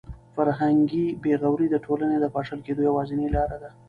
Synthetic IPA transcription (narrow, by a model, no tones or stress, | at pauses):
faɾɦaŋɡibeɣawɾid̪əʈʰolaned̪əpɑʂəlked̪ojawɑzɪnilɑɾad̪a